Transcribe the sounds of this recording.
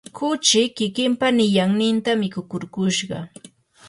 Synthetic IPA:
kʊt͡ʃɪkɪkɪmpanɪjaŋnɪnt̪amɪkʊkʊɾkʊʃɢɑ̰

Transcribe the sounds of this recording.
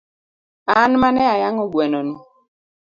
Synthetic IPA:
anmanɛajaŋɔɡwɛnɔni

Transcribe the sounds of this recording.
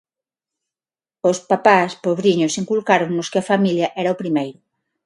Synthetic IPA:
ʊspapaspoβɾiɲʊsiŋkulkaɾoŋnʊskɪɐfamiljɐʔɛɾɐopɾimejɾʊ

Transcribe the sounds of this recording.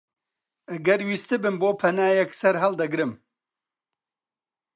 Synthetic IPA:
ɐɡɐɾwiːst̪ɨbɨnboːpʰɐnaːjɛksɐɾɦɐld̪ɐɡɾɨm

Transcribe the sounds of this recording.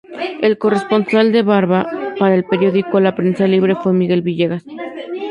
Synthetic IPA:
e̞lko̞re̞spo̞nsald̪e̞βaɾβapaɾaelpe̞ɾjo̞ðiko̞lapɾe̞nsaliβ̞ɾe̞fwe̞miɣe̞lβiʝe̞ɣas

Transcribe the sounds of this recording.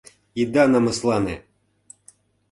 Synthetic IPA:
id̪ɑnɑmɤ̆slˠɑnḛ

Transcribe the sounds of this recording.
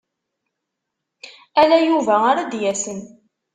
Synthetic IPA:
ælæjuvæaɾad̪jæsən

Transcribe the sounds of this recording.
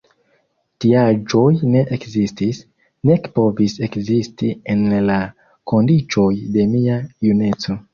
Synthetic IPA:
tiad͡ʒo̞jne̞ʔekzistis | ne̞kpo̞vise̞kzistie̞nla | ko̞ndit͡ʃo̞jde̞miajune̞t͡so̞

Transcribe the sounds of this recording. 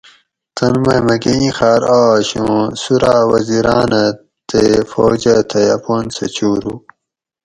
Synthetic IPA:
t̪ɐnmɐjmɐɡeĩxaːɾaːɕũsuɾaːwɐziɾaːnɐ | t̪efoːd͡ʑɐt̪ʰɐjɐpoːnsɐt͡ɕuːɾu

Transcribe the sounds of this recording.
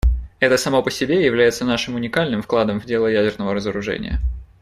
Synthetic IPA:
ɛt̪əsɐmo̞pəsʲɪbʲejɪvlʲæjɪt̪sənaʂɨmʊnʲɪkalʲnɨmfklˠad̪əmvdʲe̞lˠəjædʲɪrnəvəɾəzəɾʊʐɛ̰nʲɪ̰jə̰

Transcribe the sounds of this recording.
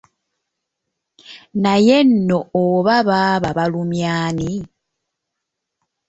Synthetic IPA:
naje̞nːooβaβaːβaβalumjaːni

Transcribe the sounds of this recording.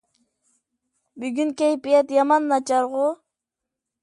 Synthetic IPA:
byɡʲynkʲejpijɛt̪jɑmɑnːɑt͡ʃɑɾʁʊ

